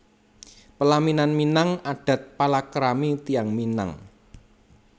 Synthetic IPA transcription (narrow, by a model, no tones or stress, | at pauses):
pəlaminanminaŋaɖ̥ä̤t̪̚palakɾamit̪iaŋmina̰ŋ